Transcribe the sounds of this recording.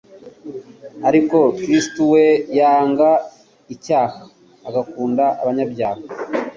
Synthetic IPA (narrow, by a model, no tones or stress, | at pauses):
haɾiko̞kɾistuwejaːŋɡa | icaːhaː | ɡakuːndaaβaɲabjaːha